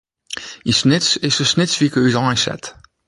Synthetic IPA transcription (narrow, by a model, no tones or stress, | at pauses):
isnɪtsɪsəsnɪtsvikəyzɑ̃jsɛ̰t̪